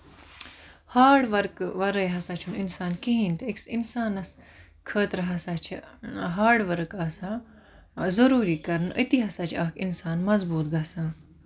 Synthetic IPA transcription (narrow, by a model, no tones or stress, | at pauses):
haːɽʋɐɾkʋɐɾəjɦɐsaːt͡ʃʰunɪnsaːnkiɦĩnt̪ɪksɪnsaːnɐs | kʰəːt̪ɾɦɐsaːt͡ʃʰɦaːɖʋɐɾɨkaːsãː | zɐɾuːɾiːkɐɾnʔit̪iɦɐsaːt͡ʃʰɐkɪnsaːnmɐzbuːt̪ɡasãː